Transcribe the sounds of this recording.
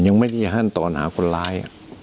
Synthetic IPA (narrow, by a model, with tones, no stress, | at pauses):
ɲa˧˦ŋma˥˩ta˧˩˨ɦa˥˩˨nt̪ɔː˨˩˦nha̰ː˨˩˦kʰo˧nlaː˦˧˥jʔa̰˨˩